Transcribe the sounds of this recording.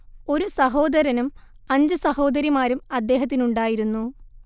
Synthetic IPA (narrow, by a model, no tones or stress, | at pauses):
o̞ɾusɐɦo̞ːd̪ɐɾɐnum | ɐɲd͡ʑɨsɐho̞ːd̪ɐɾimaːɾumɐd̪ːe̞ːɦɐt̪̬ːinuɳɖaːjiɾunːu